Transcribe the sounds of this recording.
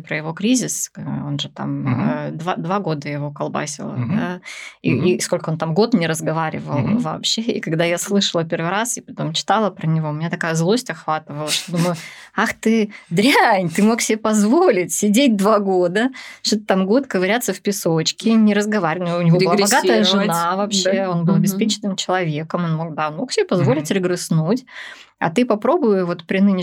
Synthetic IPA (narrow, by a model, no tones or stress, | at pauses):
pɾəjɪvo̞kɾʲizʲɪso̞nʐɨt̪a̰md̪vad̪vaɡo̞d̪əjɪvo̞kɐlˠba̰sʲɪ̰lˠə̰d̪aḭisko̞lʲkəo̞nt̪amɡo̞t̪nʲɪɾəzɡɐvaɾʲɪ̰və̰lˠvɐ̰ːpɕeḭkɐɡd̪ajaslˠɨʂəlˠəpʲe̞rvɨjɾasɪpɐt̪o̞mt͡ɕɪ̥t̪alˠəpɾənʲɪvoʊmʲnʲat̪ɐkajəzlˠo̞sʲtʲɐxvat̪ɨvəlˠəʂt̪od̪uməjʊ | axt̪ɨd̪ɾʲanʲt̪ɨmo̞ksʲɪbʲepɐzvolʲɪtʲsʲɪdʲet̚ʲd̪vaɡo̞d̪əʂt̪ot̪ət̪amɡo̞t̪kəvɐɾʲat̪səfpʲɪsot͡ɕkʲɪnʲɪɾəzɡɐvaɾʲɪvnʊnʲɪvoɨlˠabaɡat̪əjjəʐɨnavɐpɕːeo̞nbɨlˠɐbʲɪspʲet͡ɕɪ̥nɨmt͡ɕɪlˠɐvʲe̞kəmonmo̞ɡ̚d̪ao̞nmo̞ksʲɪbʲepɐzvo̞lʲɪtʲɾɪɡɾɨsnutʲ | ɐ̰t̪ɨpɐpɾo̞bʊjʊvo̞t̪pɾʲɪnɨnʲɪ